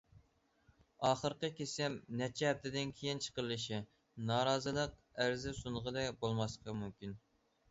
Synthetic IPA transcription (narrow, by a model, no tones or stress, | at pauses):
ɑːχəɾqəkʲʰesɪmnɛt͡ʃʰɛɛp̚t̪ʰɪd̪ɪnkʲʰejint͡ʃʰə̥qəɾlˠɨʃi | nɑːɾɑːzɨlˠəq̚æɾzɪsuɴʁəd̪ɛbolˠmɑsqʰɑmymkʲin